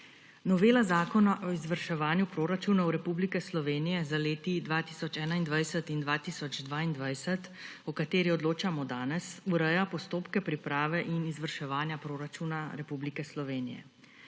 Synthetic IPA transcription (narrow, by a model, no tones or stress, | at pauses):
nɔʋeːlazaːkɔnaʔɔizʋəɾʃɛʋaːnjupɾoːɾat͡ʃuːnawɾɛpublikɛslɔʋeːnijɛzaleːt̪id̪ʋaːt̪iːsɔt͡ʃɛːnaind̪ʋajsət̪ind̪ʋaːt̪isɔd͡ʒd̪ʋaːind̪ʋajsɛt̪ɔkat̪eːɾiɔd̪loːt͡ʃamɔd̪aːnɛsuɾɛjapɔst̪oːpkɛpɾipɾaːʋɛʔinizʋəɾʃɛʋaːnjapɾoːɾat͡ʃuːnaɾɛpublikɛslɔʋeːnḭjɛ̰